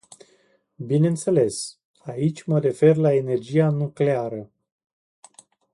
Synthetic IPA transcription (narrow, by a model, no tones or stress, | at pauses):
bine̞nt̪se̞le̞s | ait͡ʃʲməɾe̞fe̞rlae̞ne̞rd͡ʒianukle̞aɾə